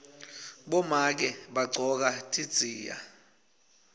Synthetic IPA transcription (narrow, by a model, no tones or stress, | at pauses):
ɓɔmak̬ɛɓaɡ͡ǀʱɔk̬atʼʰid̥z̥ʱiːja̰